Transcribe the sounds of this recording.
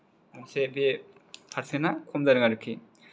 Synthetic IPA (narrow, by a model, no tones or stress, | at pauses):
amsebepʰaɾsenakʰɔmdaɾɯŋaɾɯkʰːi